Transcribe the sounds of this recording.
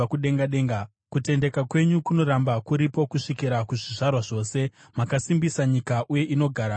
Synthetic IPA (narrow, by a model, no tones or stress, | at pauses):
kuɗe̞ŋɡaɗe̞ːŋɡa | kute̞nde̞kakwe̞ɲukuno̞ɾambakuɾipo̞kuʂikiɾakuʐiʐarwaʐo̞ːse̞ | makasimbisaɲikaʔuje̞ʔino̞ɡʱaːɾa